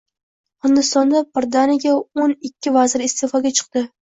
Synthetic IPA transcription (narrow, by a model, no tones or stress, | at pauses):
hɪnd̪ɪst̪ɒnd̪abɪɾd̪anɪɡʲaonɪkʲʰːɪvazɪɾɪst̪ʰefɒɡʲat͡ʃʰɨ̥q̚d̪ɪ